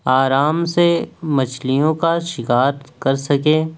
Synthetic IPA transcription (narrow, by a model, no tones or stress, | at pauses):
aːɾaːmsemɐt͡ʃʰlijõkaʃɪkaːɾkɐɾsɐkẽː